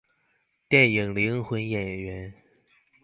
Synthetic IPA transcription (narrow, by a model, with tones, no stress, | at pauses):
t̪jɛ˥˩nji˨˩ŋli˧˥ŋxwə˧˥njɛ˨˩nɥɛ˧˥n